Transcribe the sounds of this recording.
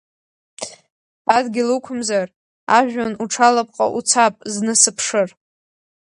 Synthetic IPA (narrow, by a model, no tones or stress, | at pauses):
adɡʲɪlukʷʰʊmzar | aʒᶣanuʈ͡ʂʰalapʼqʼa̰ʔut͡sʰapʼznɨsɨpʰʂɨr